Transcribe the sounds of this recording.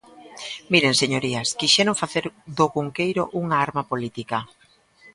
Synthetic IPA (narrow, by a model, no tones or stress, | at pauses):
miɾeŋseɲoɾiaskiʃɛɾoŋfaθeɾd̪oɣuŋkejɾo̰ʔuŋaaɾmapolit̪ika